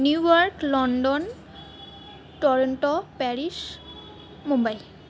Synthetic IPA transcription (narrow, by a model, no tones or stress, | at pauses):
nujɔɹklɔndɔn | tɔɹɔntɔpɛɹis | mumbaj